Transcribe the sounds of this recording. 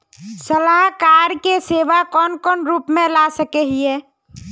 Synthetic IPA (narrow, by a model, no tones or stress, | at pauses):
səlaɦkaɾkeseʋakɔːnkɔːnɾupmẽlasəkeɦiɛ